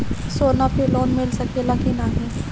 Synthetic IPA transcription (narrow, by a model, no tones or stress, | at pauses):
soːnapʰɪloːnmɪlsɐkelɐkinaːɦĩː